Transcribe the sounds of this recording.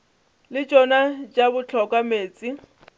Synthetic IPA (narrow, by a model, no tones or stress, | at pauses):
lɪt͡ʃʼɔnat͡ʃʼabʊt͡ɬʰɔkʼameːt͡sʼi